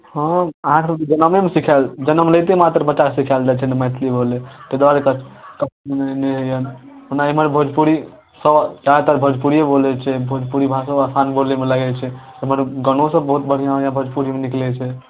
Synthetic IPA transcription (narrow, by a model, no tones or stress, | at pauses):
hə̃əɦãsəbt̪d͡ʒənəmemesikʰald͡ʒənəmləjt̪emat̪ɾəbət͡ʃːt͡ʃːakesikʰald͡ʒat͡ʃʰɛnemɛt̪ʰlibolet̪əd̪ʋaɾekəkət͡ʃʰmeneneɦəjən | ɦunaiməɾbʱəd͡ʒpuɾi | səbɾaɦt̪aɾbʱəd͡ʒpuɾijebolɛt͡ʃʰɛbʱod͡ʒpuɾibʱasəbasanbolemeləɡɛt͡ʃʰɛ | ɦəməɾɡəñõsəbəɦut̪̚bəɽ̤ijãɦjãbʱəd͡ʒpuɾimeniklɛt͡ʃʰɛ